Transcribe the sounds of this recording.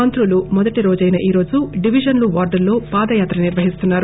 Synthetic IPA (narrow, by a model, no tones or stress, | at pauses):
ɐnt̪ɾulumɔd̪ɐʈiɾo̞ːd͡ʒɐjnɐʔiːɾo̞ːd͡ʒuɖiʋid͡ʒɐnluʋaːɾɖɐɾlo̞ːpaːd̪ɐjaːt̪ɾɐniɾʋɐɦist̪unːaːɾu